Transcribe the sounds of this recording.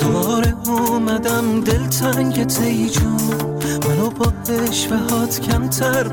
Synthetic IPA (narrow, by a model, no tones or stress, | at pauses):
d̪̥ɒɾeɔmæd̪æmd̪elt̪ʰæŋɟet̪ʰejd͡ʒɔ | mænobɒheʃvæhɒːt̪ʰcʲʰæmt̪ʰæɾ